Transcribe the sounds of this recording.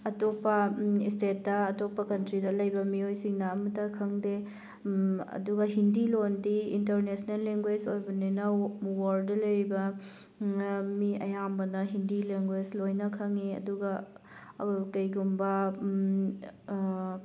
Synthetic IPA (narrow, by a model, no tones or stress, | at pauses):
ɐtopːɐistet̚dɐːtopːɐkɐntɾidɐlɐjbɐmiojsiŋnɐːmɐtɐkʰɐŋde | ɐ̰duɡɐɦindilondiːntɐɾnesnelːeŋɡwed͡ʒojbɐnenɐwaɾdɐlɐjɾbɐ | miɐ̰jambɐnɐɦindileŋɡwed͡ʒlojnɐkʰɐŋiɐ̰duɡɐ | kɐjɡumbɐ